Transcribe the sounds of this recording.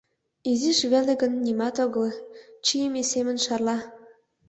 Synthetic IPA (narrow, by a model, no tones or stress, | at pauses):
iziʃβælĕɡə̆nːimɑt̪oɣɤ̆lt͡ɕijemesemə̆nʃɑrlˠɑ